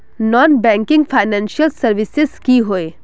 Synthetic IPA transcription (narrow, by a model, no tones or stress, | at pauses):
nɔːnbɛ̃ːŋkɪ̃ŋɡfʰaːɪnɛ̃ːnʃiəlsɐɾʋɪsɪzkiɦoeː